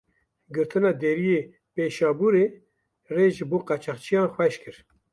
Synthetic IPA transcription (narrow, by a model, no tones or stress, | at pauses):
ɡɨɾt̪ʰɨnɑːd̪eɾijeː | peːʃɑːbuɾeː | reːʒɨboːqɑt͡ʃʰɑχt͡ʃʰijɑːnxwɛʃkʰɨɾ